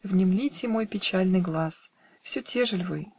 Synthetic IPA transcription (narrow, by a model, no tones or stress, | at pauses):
vnʲɪmlʲitʲɪmo̞jpʲɪt͡ɕælʲnɨjɡlˠas | fsʲɵtʲeʐɨlʲvɨj